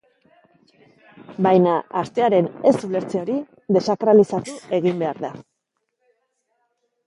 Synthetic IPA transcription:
bajnaːst̪e̞aɾe̞ne̞sule̞ɾt͡seo̞ɾi | ðe̞sak̪ɾalisat̪ue̞ɣimbe̞aɾða

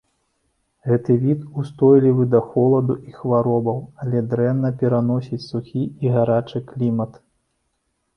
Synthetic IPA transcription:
ɣɛt̪ɨvʲit̪ust̪ɔjlʲivɨd̪ɐxɔlˠɐd̪uʔixvaɾɔbɐwalʲɛd̪ɾɛnːɐpʲɛɾan̪ɔsʲit͡sʲsuxʲiiɣaɾat͡ʂɨklʲimɐt̪

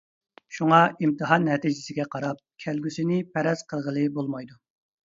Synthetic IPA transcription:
ʃuŋɑimt̪ʰɨɦɑnːɛt̪ʰid͡ʒɪsɪɡʲɛqʰɑɾɑp̚kʲʰælɡʲysɪnɪpʰɛɾɛz̥qʰəlˠʁəlˠɨbolˠmɑjd̪u

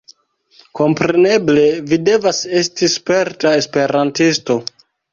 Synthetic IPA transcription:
ko̞mpɾe̞ne̞ble̞vide̞vase̞stispe̞ɾtae̞spe̞ɾantisto̞

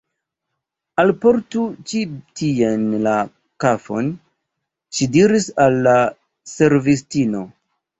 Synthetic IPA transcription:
alpo̞ɾtut͡ʃitienla | kafo̞̰n | ʃidiɾisalːa | se̞ɾvistino̞

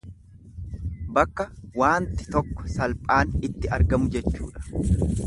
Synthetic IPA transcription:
bɐkːɐwaːnt̪ɪ̥t̪ɔkːɔ̥sɐlpʼaːnɪt̪ːɪɐɾɡɐmʊd͡ʒɛt͡ʃːṵːᶑɐ̥

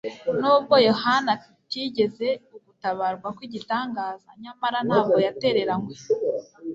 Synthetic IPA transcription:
nuːb̚ɡo̞jo̞hana | tiɟe̞ze̞uɡutaβaɾɡwakwiɟitaːŋɡaːzaɲamaɾanhaːbɡo̞jate̞ɾe̞ɾaŋwe̞

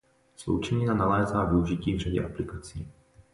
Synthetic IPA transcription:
slo̰wt͡ʃɛɲɪnanalɛːzaːvɪuʒɪciːvr̝aɟɛ̰ʔaplɪkat͡siː

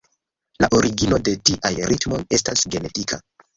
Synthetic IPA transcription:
la̰ʔo̞ɾiɡino̞de̞tiʔajɾitmo̞je̞stasɡe̞ne̞tikʰa

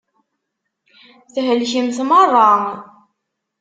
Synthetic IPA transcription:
θɦəlçimθmərˤːɑ

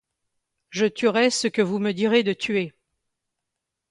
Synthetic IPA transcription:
ʒət̪yʁɛsəkəvuməd̪iʁed̪ət̪ʰɥe

